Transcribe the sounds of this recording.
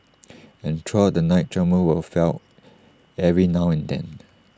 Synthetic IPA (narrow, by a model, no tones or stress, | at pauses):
ɛ̃ntʰɹɔdənaɪt̚tʰɹɛməwəfɛlt | ɛɹinawɛ̃ndɛ̰̃n